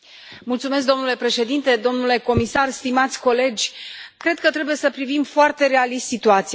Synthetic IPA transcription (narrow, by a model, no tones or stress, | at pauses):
mult̪sumesk̚d̪o̞mnule̞pɾe̞ʃe̞d̪int̪e̞d̪o̞mnule̞ko̞misarst̪imat̪sʲko̞le̞d͡ʒʲkɾe̞d̪̥̚kət̪ɾe̞buje̞səpɾivimfoart̪e̞ɾe̞alist̪sit̪uat̪si